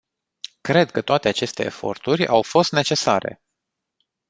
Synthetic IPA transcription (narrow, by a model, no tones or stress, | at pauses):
kɾe̞d̪kət̪oat̪e̞at͡ʃe̞st̪e̞̰ːfo̞̰rt̪urʲawfo̞st̪ne̞t͡ʃe̞saɾe̞̰